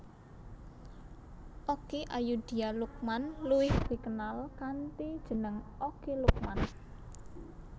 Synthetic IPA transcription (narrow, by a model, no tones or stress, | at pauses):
ʔokeʔajud̪̥i̤aluk̚manluwɪhb̥i̤kənalkant̪id̥ʒ̥ə̤nəŋokeluk̚man